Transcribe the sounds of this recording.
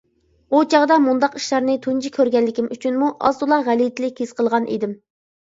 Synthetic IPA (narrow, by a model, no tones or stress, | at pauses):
ut͡ʃʰɑʁd̪ɑmund̪ɑqi̥ʃlˠɑɾnɨt̪ʰund͡ʒikʲʰøɾɡʲɛlːɪkʲimʔyt͡ʃʰynmuʔɑ̰zd̪ulˠɑʁælit̪ʰɪlɪkʲʰez̥qʰəlˠʁɑnʔḭd̪ɪm